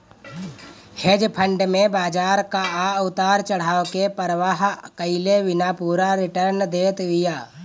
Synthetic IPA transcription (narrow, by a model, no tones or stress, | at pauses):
hed͡ʒpʰə̃ɳɖmẽbaːd͡ʒaːɾkaaʊt̪aːɾt͡ʃəɽ̤aːokepəɾəʋaːɦkəɪleʋɪnaːpuːɾaɾɪʈəɾnd̪eːt̪ɦɪjaː